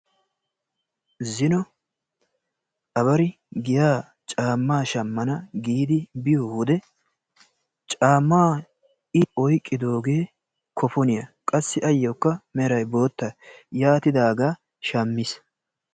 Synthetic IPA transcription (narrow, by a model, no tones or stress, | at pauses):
zɪnɔ | ʔɐβɐɾɪ | ɡɪjaː | t͡ʃʼaːmːaːʃɐmːɐnɐɡiːd̪ɪbɪjohʊd̪ɛ | t͡ʃʼaːmːaː | ɪɔjkʼːɪd̪o̞ːɡe̞ː | kʰɔfɔnɪjɐkʼɐsːɪʔɐjːɔkːɐmɛɾɐjbo̞ːt̪ːɐjaːt̪ɪd̪aːɡaː | ʃɐmːɪs